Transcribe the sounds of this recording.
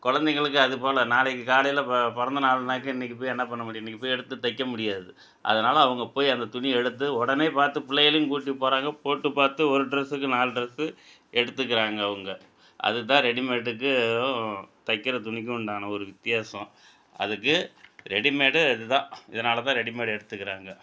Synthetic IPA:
kɔɻɐnd̪ɛŋɡɐɭɯk̬ːɯɐðɯpoːlɐnaːlɛkːɯkaːɽɐjɪlɐpɔɾɐnd̪ɐnaːlɐnaːkːɯ̃ɪnːɪkːɯp̬oːjiɛnːɐpɐɳːɐmʊɽɪjɛnːɪkːɯpːoːjɛɽɯt̪ːɯt̪ɐɪkːɐmʊɽɪjaːðɯ | ʔɐ̰ðɐnaːlɐːʋɐŋɡɐpoːjiɐnd̪ɐt̪ʊɳiɛɽɯt̪ːɯɔɽɐneːpaːɾt̪ɯpɪɭːɐjɐlɐjʊ̃kuːʈ̬ːipːoːɾaːŋɡɐpoːʈːɯpaːɾt̪ɯɔɾɯɖɪɾɛsɯkːɯnaːlɖɪɾɐsɯ | ɛɽɯt̪ːɯk̬ːɪɾaːŋɡɐːʋɐŋɡɐ | ʔɐ̰ðɯt̪ːãːɾɛɽɪmeːʈːɯk̬ːɯ | t̪ɐkːɪɾɐt̪ʊɳɪk̬ʲːɯʊɳɖaːnɐɔɾɯʋɪt̪ːɪjaːsɐ̃ | ɐ̰ðɯkːɯɾɛɽɪmeːɽɯɪðɯt̪ãːɪðɐnaːlɐt̪ãːɾɛɽɪmeːɽɛɽɯt̪ːɯkːɪɾaːŋɡɐ

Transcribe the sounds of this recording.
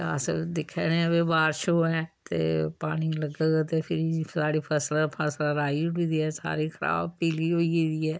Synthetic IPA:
a̰sd̪ɪkʰːɛːnẽːəbeːbaːɾʃoːɛ̃ːt̪ḛːpaːɽ̃iːləɡaːɡaːt̪eːpʰɪɾisaːɽiːpʰəslapʰəslaɾaːiːʊʈiːd̪iːɛːsa̰ːɾiːkʰəɾa̰ːbpiːliːoːid̪iːɛː

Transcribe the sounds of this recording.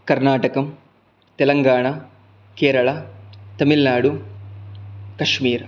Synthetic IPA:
kɐɾnaːʈɐkɐm | t̪ɛlɐŋɡaːɳa | keːɾɐɭɐt̪ɐmilnaːɽu | kɐʂmiːɾ

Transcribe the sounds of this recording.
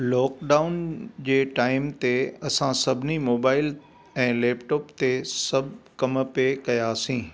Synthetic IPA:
lɔːkɖaːʊnd͡ʑeːʈaːɪmt̪eɐsãsɐbʱɪnimoːbaːɪl | ɛ̃ːleːpʈɔːpt̪esɐbʱkɐmpekɐjasĩː

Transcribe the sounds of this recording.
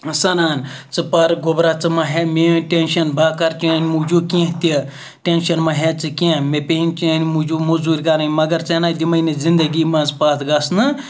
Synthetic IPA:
sɐɾaːnt͡sɨpɐɾɡobɾat͡sɨmɐɦemeʈʲenʃɐnbaːkɐɾt͡ʃeːnʲmud͡ʒuːkĩɦt̪ʲi | ʈenʃɐnmɐɦet͡sɨkʲẽmepeɦinʲt͡ʃenʲmud͡ʒumuzuːɾʲkɐɾajmɐɡɐɾt͡senaːd̪imɐjnɐzind̪ɐɡimɐzpaːt̪ʰɡɐsnɨ

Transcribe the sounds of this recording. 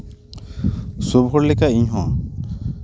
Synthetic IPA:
sobʱɔɾlɛkaiɲɦɔ̰̃

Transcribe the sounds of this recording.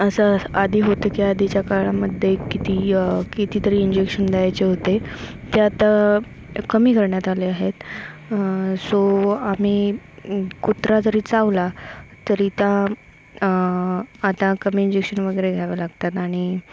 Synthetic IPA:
əsəad̪ʱiːɦot̪əkiad̪ʱit͡ɕjakaɾɭaməd̪ʱjekit̪iːkit̪iːt̪əɾiːiɲd͡ʑekʂənd̪ajajt͡ɕeɦot̪e | t̪eat̪a | kəmiːkʰəɾɳjat̪aleaɦet̪ | soam̤iː | kut̪ɾad͡zəɾiːt͡saʋlat̪əɾiːt̪jã | t̪ãkəmiːɲd͡ʑekʂənʋəɡəɾeɡʱjaʋəlaɡt̪at̪aɽ̃i

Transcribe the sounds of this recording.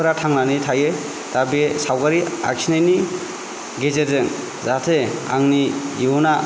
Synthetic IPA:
ɾatʰaŋnanitʰaje | tabesawkaɾia̰ksʰinajni | ɡezeɾzɯŋ | zatʰea̰ŋniiuna

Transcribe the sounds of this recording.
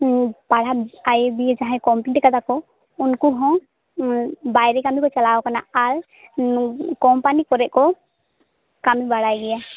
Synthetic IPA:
paɽaajebiɛd͡ʒaɦɛ̃kɔmpliʈkad̪akɔ | unkuɦɔ̃ | bajɾɛkamĩkɔt͡ʃalawɔkanaal | kɔmpanikɔɾɛʔ̚kɔ | kamĩbaɽajɡɛja

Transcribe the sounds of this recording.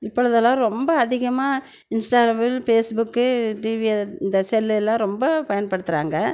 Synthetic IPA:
ɪpːɔɻɯðɐlãːɾɔmbɐɐðɪɣɐmaː | ɪnsʈaːɾɐbɪlfeːsbʊkːɯʈiːʋɪɐɪnd̪ɐsɛlːɛlːãːɾɔmbɐpɐjɐnpɐɽɯt̪ːɯɾa̰ːŋɡɐ

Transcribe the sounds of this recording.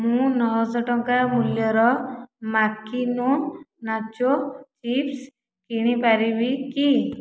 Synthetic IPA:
mũnɔɦɔsɔʈɔŋkamuljɔɾɔmakinonat͡ʃot͡ʃips | kiɽ̃ipaɾibiki

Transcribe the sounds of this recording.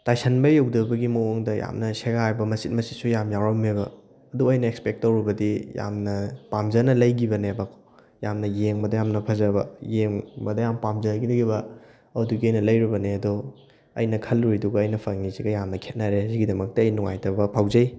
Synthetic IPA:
tajsʰɐnbɐjɐwdɐbɐɡimɐwoŋdɐja̰mnɐseɡajbɐmɐsit̚mɐsit̚sujamjawɾamebɐː | duɐjnɐekspek̚tːɐwɾibɐdija̰mnɐpamzɐnɐlɐjɡibɐnebakʰo̥ | jamnɐjeŋbɐdɐjamnɐpʰɐzɐbɐjeŋbɐdɐjampamzɐjɡidɐɡibɐ | ɐduɡiɐjnɐlɐjɾibɐneɐdɔ | ɐ̰jnɐkʰɐlɾujduɡɐːjnɐpʰɐŋniziɡɐjamnɐkʰet̚naɾeziɡidɐmɐk̚tɐɐjnuŋa̰jtɐbɐpʰawzɐj

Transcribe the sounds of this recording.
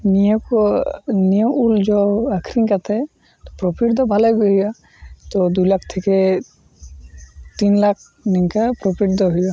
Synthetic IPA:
nijɔkɔnijɔ̃ʔuld͡ʒɔakʰɾiŋkat̪ʰɛ | t̪ɔpɾɔpʰiʈd̪ɔbʱalaɡɔɦuja | t̪ɔd̪ulak̚ʰt̪ʰekɛ | t̪inlak̚ʰ | niŋkapɾopʰiʈ̚d̪ɔɦujɡa

